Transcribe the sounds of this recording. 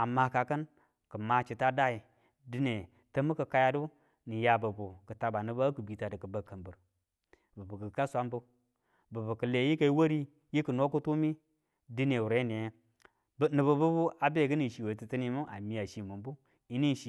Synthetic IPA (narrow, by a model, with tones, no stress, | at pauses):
a˨ma˦ka˨kə˦n | kə˨ma˨t͡ʃi˨ta˦da˦i˨ | dɨ˦ne˨ | tə˦mu˦kə˨ka˦ja˦du˦ | ni˨ja˨bə˨bu˨kə˨ta˨ba˨nɨ˨ba˦kə˨bi˨ta˨də˨kə˨bə˨kə˨mbə˨ɾ | bə˨bu˨kə˨ka˦sʷa˦mbu˦ | bə˨bə˨kɨ˨le˨˦ji˦ka˨i˦wo˦ɾi˦ | ji˦kə˨no˦ku˦tu˦mi˦ | dɨ˦ne˨wu˨ɾe˦ne˨˦ | bnɨ˨bə˨bu˦bu˦a˨be˦˨ɡə˦ni˨ʃi˨we˨˦ti˨tə˦ni˦mu˦ʔa˨mi˨a˨ʃi˨mu˨mbu˦ | i˦ni˦n˨ʃi˨